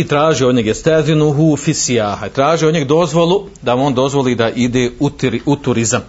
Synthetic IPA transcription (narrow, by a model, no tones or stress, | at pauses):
it̪ɾaːʒio̞d̪ɲeɡjest̪ezinuɦufisiaːhait̪ɾaːʒiod̪ɲeɡd̪o̞zʋo̞lˠu | d̪amuoːnd̪o̞zʋo̞liːd̪aʔid̪eːut̪ɾut̪uɾizam